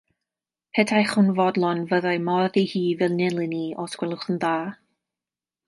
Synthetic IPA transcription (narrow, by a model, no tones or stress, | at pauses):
pʰɛdʰajχʊnvɔdlˠɔnvəðajmɔrðihiːvɛlˠnɪlˠɪniʔɔskwɛlˠʊχənðaː